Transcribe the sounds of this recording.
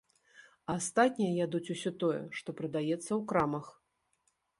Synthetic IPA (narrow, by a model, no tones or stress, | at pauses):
ast̪at̪ʲnʲijɐjad̪ut͡sʲusʲɔt̪ɔjɛ̰ʂt̪ɔpɾɐd̪ajɛt̪sːɐwkɾamɐx